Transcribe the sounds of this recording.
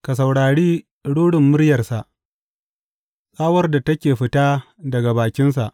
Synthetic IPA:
ka˨s̬a˨wɽaː˨ɽiː˦ | ɽuː˦ɽɪ˨mːʊ˦ɽjɐ˨rsa˨ʔ | sʼaː˦wɐ˦rda˨tɐ˦kʲeː˨ɸɪ˦taː˦ | dɐ˨ɡa˨baː˨kʲɪ˦ns̬a˨ʔ

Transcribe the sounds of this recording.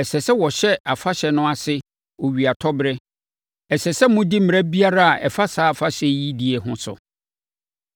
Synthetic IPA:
ɛ˨sɛ˨sɛ˦wɔ˨ɕɛ˦a˨fa˦ɕɛ˨nʊ̃˦a˨sɪ˦ | o˨ɥi˨a˨tʰɔ˦bɾɛ˦ | ɛ˨sɛ˨sɛ˦mʊ̃˦di˦m̩˨m̃˨ɾa˦bi˦a˦ɾa˦a˨ʔɛ̰˨fa˦saː˦˨fa˦ɕɛ˦ji˦di˨ɛ˨ɦʊ̃˦sʊ̰˨

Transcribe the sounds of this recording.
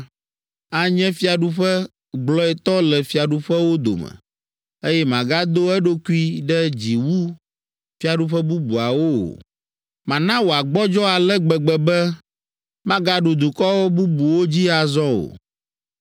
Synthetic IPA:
a˦ɲɛ̃˦fi˦a˨ɖu˦ɸɛ˦ | ɡ͡blɔ˦ɛ˨t̪ɔ˦lɛ˨fi˦a˨ɖu˦ɸɛ˦wo˦d̪o̰˨mɛ̰̃˨ | e˦jɛ˦mã˨ɡa˦d̪o˦ɛ˦ɖo˦ku˦i˦ɖɛ˦d͡ʑi˨wu˦ | fi˦a˨ɖu˦ɸɛ˦bu˦bu˨a˨wo˦o̰˨ | mã˨nã˦wo˨a˨ɡ͡bɔ˦d͡ʒɔ˦a˨lɛ˦ɡ͡bɛ˨ɡ͡bɛ˨bɛ˦ | mã˦ɡa˦ɖu˨d̪u˨kɔ˦wo˦bu˦bu˨wo˦d͡ʑi˦a˨zɔ̃˦o̰˨

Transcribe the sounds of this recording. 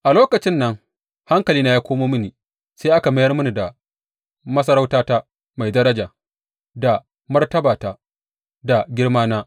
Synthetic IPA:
ʔa˨loː˦kɐ˨t͡ʃɪ˦nːɐ˦ŋ | ha˦ŋkɐ˨liː˦na˦jaː˦kʷoː˦moː˦mɪ˦ni˨ | sa˦ʔa˦ka˨mɐ˦jɐ˦rmʊ˦ni˨da˨ | mɐ˦s̬ɐ˦ɾa˦wtaː˦taː˦ | ma˨jdɐ˦ɾɐ˦d͡ʒaː˨ | da˨ | mɐ˦rtɐ˦baː˨taː˦ | da˨ɡʲɪ˦ɽmaː˦naː˦

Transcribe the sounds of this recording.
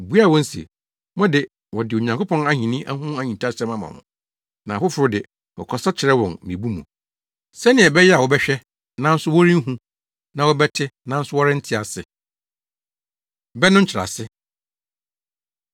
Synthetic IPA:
bu˦a˦˨wɔ̃˦n̩˦sḭ˨ | mɔ̃˦dɪ˨ | wɔ˨dɪ˨o˨ɲã˨ŋkʊ˦pʰɔ̃˦na˦ɲĩ˨nĩ˦ʔa˦hũ˦a˦ɲĩ˨ntʰa˦sɛ˦mã˨mã̰˨mʊ̰̃˨ | nã˨fʊ˦fʊ˨ɾʊ˦dɪ˨ | wɔ̰˨kʰɔ˨sa˦t͡ɕʰɪ˨ɾɛ˦wɔ̃˨nmĩ˨bu˦mṵ̃˨ | sɛ˦nɪ̃˨ɛ˨bɛ˦jɛ˦a˨wɔ˨bɛ˦ɕᶣɛ˦ | nã˦n̩˦sʊ˦wɔ˦ɾĩ˦ɦũ˦ | nã˨wɔ˦bɛ˦tʰɪ˦nã˨n̩˦sʊ˦wɔ˦ɾɪ˦n̩˦tʰɪ˦a˨sɪ˨ | bɛ˦nʊ̃˦ɲ̩˦t͡ɕʰɪ˨ɾa̰˨sɪ˦

